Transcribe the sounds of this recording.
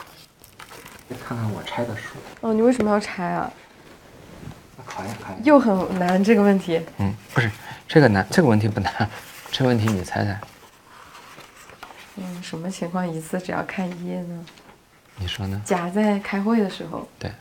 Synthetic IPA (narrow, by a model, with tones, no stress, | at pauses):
kʰa˥˧nkʰa˥˩nwɔ̰˨˩ʈ͡ʂʰa˥ɪd̪ə˨ʂu˥˩ɔ˥˩ni˨˩we˥˩ɪʂə˧˥mə˧jɑ˥˧˩ʈ͡ʂʰa˥ɪɐ̰˧ | kʰa˨˧˩jkʰjo˥˩ʊxə˨˩nna˧˥nʈ͡ʂɤ˥˩ɡə˩wə˥˩nt̪ʰi˧˥n̩˥˩pu˧˥ʂɻ̩˥˧ʈ͡ʂɤ˥˩ɡə˩na˧˥nʈ͡ʂɤ˥˩ɡə˧wə˥˩nt̪ʰi˧˥pu˥˩na˧˥˦nʈ͡ʂɤ˥˩ɡə˧wə˥˩nt̪ʰi˧˥ni˨˩t͡sʰa˧˥ɪt͡sa˧˥˩ɪ | n̩˥˩ʂə˧˥nmə˧t͡ɕʰi˧˥ŋkʰwɑ˥˩ŋi˧˥t͡sʰɹ̩˥˩ʈ͡ʂɻ̩˨˩jɑ̰˥˧ʊkʰa˥˩n˧˥jɛ˥˩nə˩ | ni˨˩ʂwɔ˥nə˨t͡ɕja˧˩t͡sa˥˩ɪkʰa˥ɪxwe˥˩ɪd̪ə˩ʂɻ̩˧˥xo̰˧ʊt̪wḛ˥˩ɪ